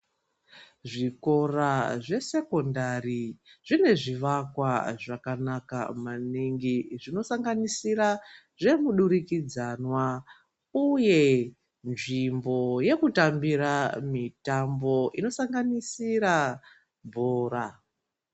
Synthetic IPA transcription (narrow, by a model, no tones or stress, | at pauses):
ʐiko̞raʐe̞se̞ko̞ndariʐine̞ʐiʋakwaʐakanaka̰maniŋɡiʐino̞saŋɡanisiɾa | ʐe̞muɗuɾikid͡zanwa | uje̞ | nʐimbo̞je̞kutambiɾamitambo̞ino̞saŋɡanisiɾa | bʱoːɾa